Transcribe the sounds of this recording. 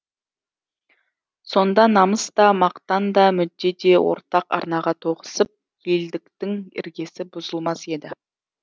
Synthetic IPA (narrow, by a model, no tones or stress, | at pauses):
so̞nd̪ɑnɑməst̪ɑmɑqt̪ɑnd̪ɑmʏd̪ːe̞d̪e̞wo̰ɾt̪ɑqɑ̰ɾnɑʁɑt̪ʰo̞qə̥səp̚ | je̞ld̪ɪkt̪ɪŋɪ̰ɾɡʲe̞sɪbʊzəlˠmɑse̞d̪ɪ